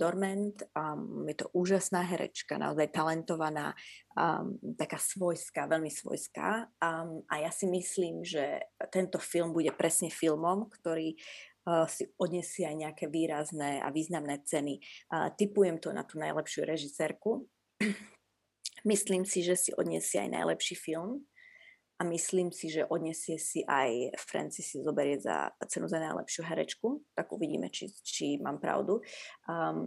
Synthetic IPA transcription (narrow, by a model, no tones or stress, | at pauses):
d̪ɔɾmɛnt̪jɛt̪ɔʔuːʒasnaːɦɛɾɛ̰t͡ʃkana̰ɔzajt̪alɛnt̪ɔʋana̰ː | t̪akaːsʋɔjskaʋɛʎmisʋɔ̰jska̰ | ʔajasimisliːmʒɛ̰t̪ɛnt̪ɔfilmbuɟɛpɾɛsɲɛfilmɔmkt̪ɔɾiː | siɔd̪ɲɛsɪɛajɲɛakɛːʋiːɾaznɛːa̰ʋiːznamnɛːt͡sɛnit̪ipujɛmt̪ɔna̰t̪uːnajlɛpʃɪuɾɛʒisɛːɾku | misliːmsiʒɛsiʔɔ̰d̪ɲɛ̰sɪɛa̰jna̰jlɛpʃiːfilm | ʔamisliːmsiʒɛʔɔd̪ɲɛsɪɛsiʔajfɾɛ̰nt͡sisizɔbɛɾɪɛza̰t͡sɛnuzanajlɛ̰pʃɪuɦɛɾɛ̰t͡ʃkut̪aɡṵʋiɟḭːmɛ̰t͡ʃḭt͡ʃima̰ːmpɾa̰ʊd̪u